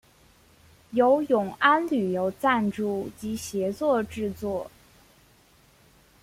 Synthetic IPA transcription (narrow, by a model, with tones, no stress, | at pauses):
jo˧˥ʊjʊ˨˩ŋa˥nly˨˩jo˧˥ʊt͡sa˥˧nʈ͡ʂu˥˩t͡ɕi˧˥ɕjɛ˧˥t͡swɔ˥˧ʈ͡ʂɻ̩˥˧t͡swɔ˥˩